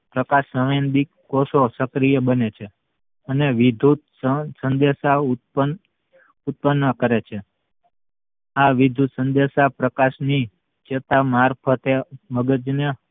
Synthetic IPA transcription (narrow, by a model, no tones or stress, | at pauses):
pɾəkaʃəʋend̪ikːososəkɾijəbənet͡ʃʰe | əneʋid̪ʱut̪ | sənd̪eʃaupə | ut̪̚pənːəkəɾet͡ʃʰe | aʋid̪ʱusənd̪eʃapɾəkaʃni | t͡ʃet̪amaɾpʰət̪eməɡəd͡ʒne